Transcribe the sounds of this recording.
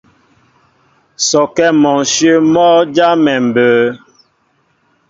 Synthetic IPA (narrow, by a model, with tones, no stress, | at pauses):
sɔ˨kɛ˦mɔ˨sjə˦mɔ˦d͡ʒa˦mɛ˨m̩˨bəː˨